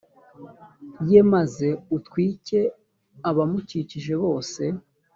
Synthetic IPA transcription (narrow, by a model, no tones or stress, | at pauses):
jemaze̞utkwiːce̞ | aβamuciːciʒe̞βo̞ːse̞